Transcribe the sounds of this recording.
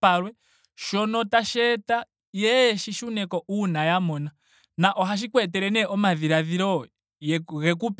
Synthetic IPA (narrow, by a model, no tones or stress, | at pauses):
aɾwɛ | ʃɔnɔtaʃɛta | jɛʃiʃunɛkɔʔunajamɔna | naʔɔɦaʃ̬ikwɛtɛɾɛnɛʔɔmaðiɾaðiɾɔ | jɣɛkup